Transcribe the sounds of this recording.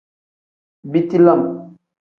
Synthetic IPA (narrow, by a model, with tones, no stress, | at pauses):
bi˦ti˦la˦˨m˨